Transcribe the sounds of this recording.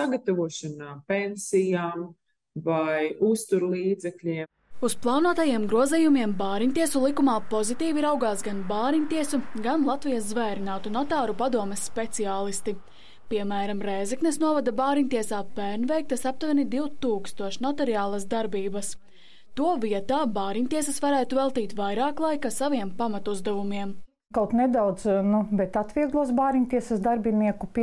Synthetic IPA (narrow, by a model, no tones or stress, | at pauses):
saɡat̪avuɔʃanaːpensijaːm | vajust̪uɾlˠiːd̪zɛklʲiɛ | usplˠɑːnuɔt̪ajiɛmɡɾuɔziːjumiɛmbaːɾiɲʲt̪iɛsulˠikumaːpozit̪iːviɾawɡaːsɡanbaːɾiɲʲt̪iɛsuɡanlˠat̪vijaszvɛːɾinaːt̪unɔt̪aːɾupad̪uɔmɛsːpet̪siaːlˠist̪i | piɛmæːɾamɾɛːzɛknesnuɔvad̪abaːɾiɲʲt̪iɛsaːpæːɾnʲvɛjk̚t̪ɐsap̚t̪vanid̪iwt̪uːkst̪uɔʃnɔt̪eɾiaːlˠasd̪aɾbiːbɐs | t̪uɔviɛt̪aːbaːɾiɲʲt̪iɛsɐsvaɾæːt̪uvɛlˠt̪iːt̪vajɾaːklˠajkasaviɛmpamat̪uzd̪ɛvumiɛm | kawt̪nɛd̪awd̪znubɛt̪at̪ʋʲiɛɡlˠuɔs̬baːɾiɲʲt̪iɛsɐsd̪aɾbiniɛkupʲ